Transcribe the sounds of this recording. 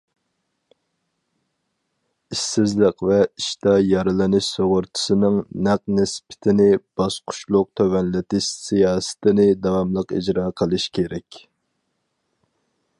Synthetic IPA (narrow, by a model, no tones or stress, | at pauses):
isɪzlɪqvɛiʃt̪ɑjɑɾɨlˠɪnɪʃsoʁʊɾt̪ʰɨ̥sɨnɨŋnæq̚nɪspʰɪ̥t̪ʰɪnɪb̥ɑsqʰʊ̥ʃlˠʊq̚t̪ʰøwɛnlɪt̪ɪʃsijɑːsɨ̥t̪ɪnɪd̪ɑwɑmlˠəqid͡ʒɾɑːqʰəlˠɨʃkʲʰeɾɛkʲ